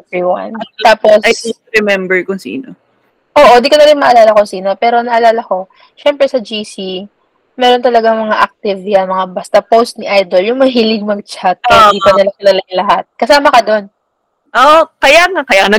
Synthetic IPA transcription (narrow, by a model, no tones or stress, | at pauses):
ɛviwɐ̰nt̪aːpo̞sajɛ | ɾɛmɛmbɛɹkʊŋsḭːno̰ | ʔo̞ːʔod̪iːkonɐɾɪnmɐʔɐlaːlɐkʊŋsiːno̞pɛːɾo̞nɐʔɐlaːlɐko̞ | ʃɛmpɾɛsɐd͡ʒisi | mɛːɾo̞nt̪ɐlɐɡaŋmɐŋaʔɐk̚t̪ɪvjɐnmɐŋabɐst̪ɐpowst̪̚nɪʔajd̪oljʊŋmɐaɦilɪɡ̚mɐɡ̚t͡ʃat̪̚ːiːpɐnɪlɐkɐlɐlɐɪlɐɦat̪̚kɐsaːmɐkɐd̪o̞n | ʔoʔkɐjaŋɐkɐjaknɐ